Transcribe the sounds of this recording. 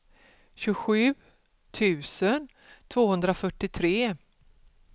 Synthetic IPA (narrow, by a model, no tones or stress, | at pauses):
ɕɵɧʉ̟ː | t̪ʰʉ̟ːsən | t̪ʰvoːhɵnd̪ɾafœʈːɪt̪ʰɾeː